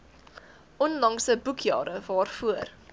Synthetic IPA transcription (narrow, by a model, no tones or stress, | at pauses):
ʔɔnlɐŋsəbukʰjɑ̰ːɾəvɑːrfuər